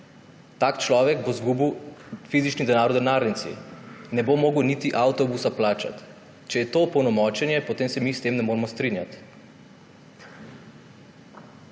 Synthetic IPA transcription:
t̪aːkt͡ʃlɔːʋɛɡbozɡuːbiwfizit͡ʃnid̪ɛnaːɾwd̪ɛnaːɾnit̪sḭnɛbomoːɡəwnit̪iʔawt̪ɔbusaplaːt͡ʃa̰t̪ | t͡ʃɛjɛt̪oːpɔwnɔmɔːt͡ʃɛnjɛpot̪eːmsɛmist̪emnɛmoːɾmɔst̪ɾinja̰t̪

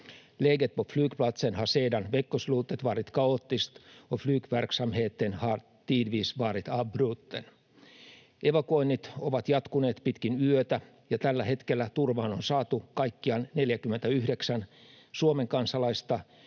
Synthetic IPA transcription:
leɡet̪̚poflyːkplɑt̪senhɑseːdɑnʋekːosluːt̪ːˑet̪ʋɑːɾit̪kɑot̪ːist̪oflyːkʋærksɑmheːt̪ːenhɑr | t̪iːdʋiːsʋɑːɾit̪ɑbruːt̪ːen | eʋɑkuoinːit̪oʋɑt̪jɑt̪kuneːt̪pit̪kinyøt̪æ | jɑt̪ælːæɦe̞t̪kelːæt̪urʋɑːnonsɑːt̪ukɑjkːiɑnne̞ljækymːent̪æyhdeksæn | suomeŋkɑnsɑlɑist̪ɑ

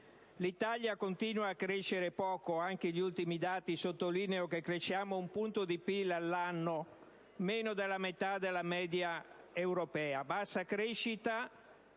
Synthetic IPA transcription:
lit̪aljakont̪inuaːkːɾeʃːeɾepɔːkoaŋk̟eʎiult̪imid̪aːt̪isot̪ːoliːneokekːɾeʃjaːmoumpunt̪od̪ipilːalːanːo | meːnod̪elːamet̪ad̪elːamɛːd̪ja | ewɾopɛːabasːakɾeʃːit̪a

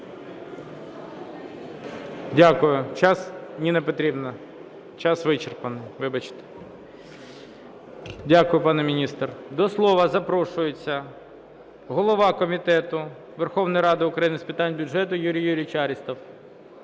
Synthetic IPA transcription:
dʲakʊjʊt͡ʃɑsnʲinepɔt̪ɾʲibnɐ | t͡ʃɑsʋɪt͡ʃerpɐnɪjʋɪbɐt͡ʃɪ̥t̪ɛ̥ | dʲakʊjʊpɑnɛmʲɪnʲist̪rd̪ɔslˠɔʋɐzɐpɾɔʃʊjet͡sʲːɐ | ɦɔlˠɔʋɑkɔmʲit̪ɛt̪ʊ | ʋerxɔʋnʊjɾɑd̪ɪʊkɾɐjinɪspʲɪt̪ɑnʲbʲʊʒɛt̪ʊjuɾʲijːuɾʲijt͡ʃɑɾʲist̪ɔw

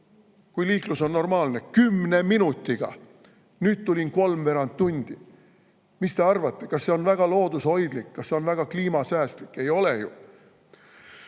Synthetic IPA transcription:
kujliːkluso̞nːo̞rmɑːlnekymːne̞minut̪ːˑiɡ̥ɑ̰ | nyːd̪̚t̪ːulʲinko̞lmve̞ɾɑnt̪ːunʲd̪̥i | mist̪e̞ɑrvɑt̪ːˑe̞kɑsːe̞o̞nvæɡ̥ɑlo̞ːd̪̥usho̞jd̪̥likːɑsseo̞nvæɡ̥ɑkliːmɑsæːst̪likːˑe̞jo̞lejṵ

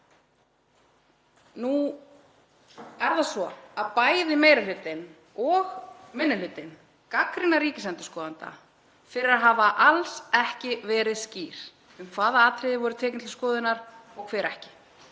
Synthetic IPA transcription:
nu | ɛɾðasɔaðpaːjðɪmeːjɾɪlʏt̪ɪn | ɔɣmɪnːɪlʏt̪ɪn | kakɾɪnːaɾiːcɪsɛnt̪ʏskɔːðant̪a̰ | fɪɾɪɾaðɦaːvaʔalsɛhcɪvɛːɾɪðsciːɾ̥ | ʏmkʰv̥aːðaaːt̪ʰɾɪðɪvɔɾʏt̪ʰɛːcɪnt̪ɪ̥skɔːðɪnaɾ̥ɔɣkʰvɛːɾɛhcɪ̥

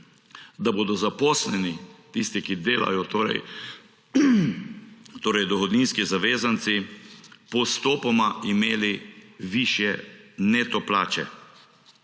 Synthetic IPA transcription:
d̪aboːd̪ɔzapɔslɛnit̪ist̪ikid̪eːla̰jɔt̪oːɾɛ̰j | t̪oːɾɛjd̪ɔxɔd̪niːnskizaʋeːzant̪sipɔst̪oːpɔmaimeːliʋiʃjɛnet̪ɔpla̰ːt͡ʃɛ̰

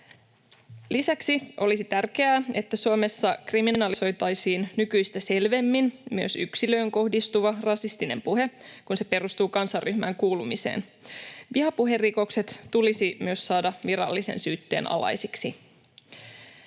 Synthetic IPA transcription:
lisæksiʔo̞̰lisit̪ærke̞æːe̞t̪ːæsuome̞sːɑkriminɑliso̞jt̪ɑjsiːnnykyjst̪æse̞lʋe̞mːinmyøsyksilø̞ːŋko̞hdist̪uʋɑrɑsist̪ine̞̰mpuɦe̞kunse̞pe̞ɾust̪uːkɑnsɑrːyhmæ̰ŋkuːlumise̞̰ːn | ʋiɦɑpuɦe̞rːiko̞kse̞t̪t̪ulisimyøssɑːdɑʋiɾɑ̰lːisḛnsyːt̪ːe̞̰ːnɑ̰lɑ̰jsiksi

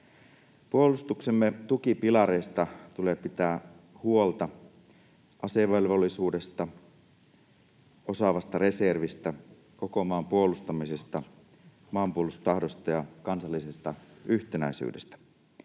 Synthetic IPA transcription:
puolust̪uksemːet̪ukipilɑɾeːst̪ɑt̪uleːpit̪æːhuolt̪ɑ | ʔɑseʋelʋolːisuːde̞st̪ɑ | o̞sɑʋɑst̪ɑɾe̞serʋist̪æ | ko̞ko̞mɑːmpuolust̪ɑmise̞st̪ɑ | mɑːmpuolust̪t̪ɑhdo̞st̪ɑjɑkɑnsɑlːise̞st̪ɑyht̪enæisy̰ːde̞st̪æ̥

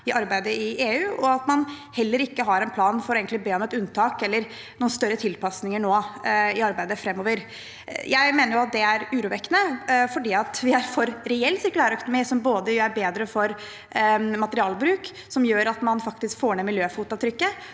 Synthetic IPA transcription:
ɪʔɑɾbæɪd̪əɪʔeːʉːɔɑt̪mɑnhɛlːəɾɪkːəɦɑɾɛnpʰlɑːnfɔɾeːɡənlɪbeːɔmɛt̪ʉnt̪ʰɑːkɛlːəɾ | nuːnst̪œɾːət̪ʰɪlpɑsnɪŋəɳoːɪɑɾbæɪd̪əfɾɛmːoːʋəɾ | jæɪmeːnəɾjʊɑt̪̚d̪ɛæɾʉːɾuːʋɛkːənəfɔɖiːɑt̪ʋɪæɾfɔɾɾɛɛlːsɪɾkʉlæːɾœkʊnʊmiːsɔmboːd̪əæɾbeːd̪ɾəfɔɾ | mɑt̪əɾɪɑːlbɾʉːk | sɔmjøːɾɑt̪mɑnfɑkt̪ɪskfoːɾɳɛmɪljøːfuːt̪ːɑt̪ʰɾʏkːə

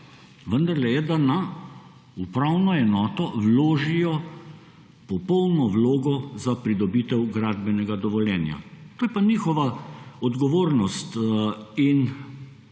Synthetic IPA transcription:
ʋənd̪aɾlɛjɛd̪ana | upɾawnɔɛnɔːt̪ɔwloːʒijɔ | pɔpɔwnɔwloːɡɔzapɾid̪ɔbiːt̪ɛwɡɾaːd̪bɛnɛɡad̪ɔʋɔljɛːnja̰t̪oːjɛpaniːxɔʋaɔd̪ɡɔʋoːɾnɔst̪in

